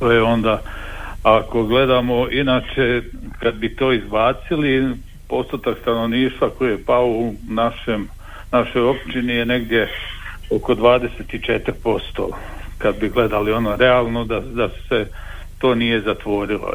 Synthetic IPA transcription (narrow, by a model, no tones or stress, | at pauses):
t̪ojeo̞nd̪a | ako̞ɡle̞d̪amo̞inaːt͡ʃekad̪̚bit̪o̞ːizbaːt̪sili | po̞st̪ot̪akst̪anoʋniːʃt̪ʋako̞ijepaounaʃem | naʃo̞jo̞pt͡ʃinijene̞ɡd̪je̞ | oko̞d̪ʋaːd̪e̞set̪it͡ʃet̪ɾpo̞st̪o̰ | kad̪biɡle̞d̪alio̞noɾe̞aːlˠnod̪ad̪asse | t̪o̞ːnije̞zat̪ʋo̞ːɾilo̰